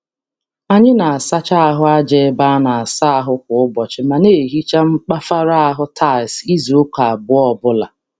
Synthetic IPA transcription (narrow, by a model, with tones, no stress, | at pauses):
a˨ɲɪ˦na˨a˨sa˦t͡ʃa˦a˦ɦʊ˦a˦d͡ʒe˨˦ba˦na˨a˨sa˦a˦ɦʊ˦k̚ʷʊ˨ʊ˦bɔ˨t͡ʃɪ˦ma˨ne˦˨ɦi˦t͡ʃa˦ŋ͡m̩˦k͡pa˦fa˦ɾa˦a˦ɦʊ˦tʰa˦˨si˦zu˨ʊ˦ka˨a˨bʊ˦ɔ˦bʊ˦la˨